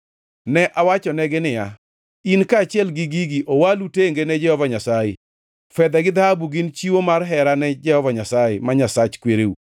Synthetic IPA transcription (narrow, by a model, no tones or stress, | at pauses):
nɛʔawat͡ʃɔnɛɡɪnɪja | inkaːt͡ʃɪɛlɡɪɡiɡiowaluteŋɡenɛd͡ʒɛhɔvaɲasajḛ | fɛd̪ɛɡɪd̪ahabuɡɪnt͡ʃiwomarɦɛɾanɛd͡ʒɛhɔvaɲasajemaɲasat͡ʃkweɾeu